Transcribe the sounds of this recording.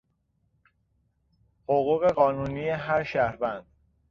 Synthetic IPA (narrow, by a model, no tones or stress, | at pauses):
hoɣuːɣe̞ɢɒːnuːniːjeɦæɾʃæhɾvænd̪̥